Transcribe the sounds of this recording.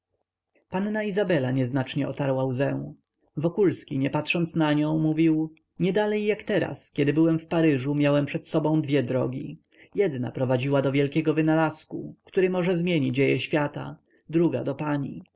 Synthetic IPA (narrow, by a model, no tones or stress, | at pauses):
panːaizabɛlaɲɛznat͡ʂɲɛɔt̪aɾwawzɛw̃ | vɔkulskʲiɲɛpat̪ʂɔnt̪snaɲɔ̃w̃muvʲiw | ɲɛd̪alɛjːakt̪ɛɾa̰skʲɛd̪ɘbɘwɛmfpaɾɘʐumʲjawɛmpʂɛt̪sɔbɔ̃w̃d̪vʲjɛd̪ɾɔ̰ɡʲi | jɛd̪na̰pɾɔvad͡ʑiwad̪ɔvʲjɛlkʲɛɡɔvɘnalaskukt̪uɾɘmɔʐɛzmʲjeɲid͡ʑejɛɕfʲjat̪a̰ | d̪ɾuɡa̰d̪ɔpaɲḭ